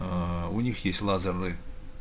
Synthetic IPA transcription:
unʲixjesʲtʲlˠazərnɨ

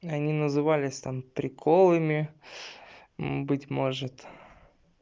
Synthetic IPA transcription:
ɐnʲinəzɨvalʲɪsʲt̪ampɾʲɪkʰolˠɨmʲɪ | bɨtʲmo̞ʐɨt̪

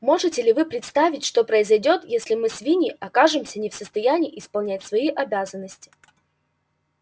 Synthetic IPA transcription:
mo̞ʐɨtʲɪlʲɪvɨpɾʲɪt̪st̪avʲɪtʲʂt̪o̞pɾəɪzɐjdʲo̞t̪jesʲlʲɪmɨsvʲinʲɪʔɐkaʐɨmsʲənʲɪfsəst̪ɐjænʲiːʔɪspɐlˠnʲæt̚ʲsvɐiʔɐbʲazənːəsʲtʲɪ̥

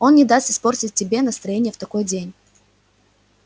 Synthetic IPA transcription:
o̞nnʲɪd̪ast̪ɪ̥spo̞rtʲɪt̚ʲːɪbʲe̞nəst̪ɾɐjenʲɪjəft̪ɐko̞jdʲenʲ

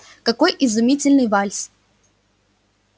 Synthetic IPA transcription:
kɐko̞jʔɪzʊmʲitʲɪlʲnɨjvalʲs

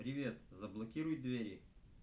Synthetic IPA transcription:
pɾʲɪvʲet̪zəblˠɐkʲiɾʊj̪̚d̪vʲeɾʲɪ

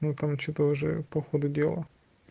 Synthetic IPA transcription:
nut̪amt͡ʃɪt̪ɔʒɛ̰pɔxɔd̪ʊdʲɛlˠɐ

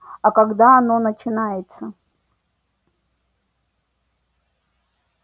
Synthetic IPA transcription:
ɐkɐɡd̪aɐno̞nət͡ɕɪnajɪt̪sə

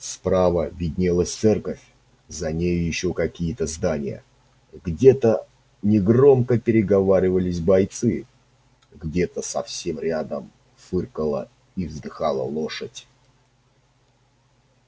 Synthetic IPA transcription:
spɾavəvʲɪdʲnʲelˠəsʲt̪sɛrkəfʲ | zɐnʲejʊjɪɕːokɐkʲijət̪əzd̪anʲɪjə̰ | ɡdʲet̪ə | nʲɪɡro̞mkəpʲɪɾʲɪɡɐvaɾʲɪvəlʲɪsʲbɐjt̪sɨ | ɡdʲe̞t̪əsɐfsʲe̞mɾʲad̪əm | fɨrkəlˠə̰ | ivzd̪ɨxalˠə̰lˠo̞ʂətʲ

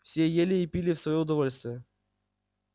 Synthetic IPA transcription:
fsʲejelʲɪːpʲilʲɪfsvɐjoʊd̪ɐvo̞lʲst̪vʲɪjə

